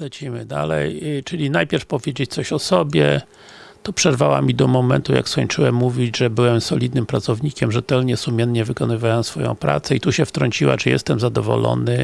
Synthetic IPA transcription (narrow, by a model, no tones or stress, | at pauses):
lɛt͡ɕimɘd̪a̰lɛ̰jt͡ʂɘlʲinajpʲjɛɾfpɔvʲjed͡ʑet͡ɕt̪sɔɕɔsɔbʲjɛ̰ | t̪ɔpʂɛɾvawa̰mʲid̪ɔmɔmɛnt̪uja̰kskɔɲt͡ʂɘwɛmːuvʲid͡ʑʐɛbɘwɛmsɔlʲid̪nɘmpɾat̪sɔvɲikʲɛmʐɛt̪ɛlɲɛsumʲɛnɲɛvɘkɔnɘvawɛmsfɔ̰jɔ̰̃w̃pɾa̰t̪sɛit̪uɕɛft̪ɾɔɲt͡ɕiwa̰t͡ʂɘjɛ̰st̪ɛmzad̪ɔvɔ̰lɔ̰nɘ